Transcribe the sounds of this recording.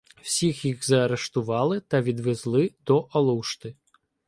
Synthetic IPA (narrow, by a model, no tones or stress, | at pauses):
w̥sʲixjixzɐːɾɛʂt̪uvalˠɨt̪ɐvʲid̪vʲɛzlˠɨd̪̥ɔʔɐlˠuwʂt̪ɨ